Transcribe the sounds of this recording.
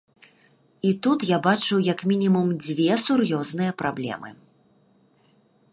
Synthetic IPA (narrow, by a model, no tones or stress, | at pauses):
it̪ut̪jabat͡ʂɨwjɐkmʲinʲimumd͡zʲvʲɛsurjɔznɨjɐpɾablʲɛ̰mɨ̰